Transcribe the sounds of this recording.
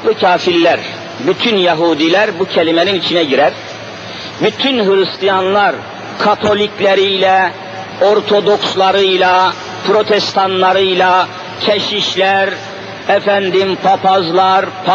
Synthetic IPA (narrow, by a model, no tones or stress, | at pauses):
ucʰaːfiɾlæɾ | byt̪ʰynjaɦuːd̪ilæɾbucʰɛlimɛninit͡ʃʰinɛɟiɾæɾ | byt̪ʰynɦɯɾɯst̪ʰijanlˠɑɾ | kʰat̪ʰo̞lʲicʰlʲɛɾijlɛ | o̞ɾt̪ʰo̞d̪o̞kslˠɑɾɯjlˠɑ | pʰɾo̞t̪ʰɛst̪ʰanlˠɑɾɯjlˠɑ | cʰɛʃiʃlæɾ | ɛfænd̪impʰapʰazlˠɑɾpʰ